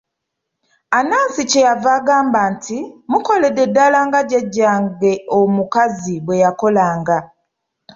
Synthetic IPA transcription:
anaːnsicejavaːɡaːmbaːntʰimuko̞lededːalaːŋɡaɟeɟːaːŋɡe̞omukaziβwe̞jako̞laːŋɡa

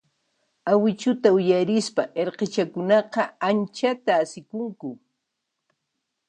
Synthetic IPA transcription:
awɪt͡ʃʊt̪aʊjaɾɪspaʔeɾqet͡ʃakʊnɑqɑant͡ʃat̪aːsɪkʊŋkʊ

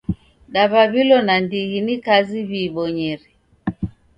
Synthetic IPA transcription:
ɗaβaβilɔnandiɣinikaziβiːβɔɲɛɾɛ

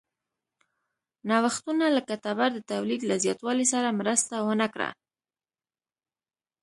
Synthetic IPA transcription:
nɑwaxt̪unalakat̪abaɾd̪ət̪awlid̪lazjɑt̪wɑlisaɾamɾəst̪awənakɽa̰

